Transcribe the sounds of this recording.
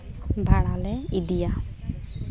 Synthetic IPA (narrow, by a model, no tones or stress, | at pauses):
bʱaɽalɛidija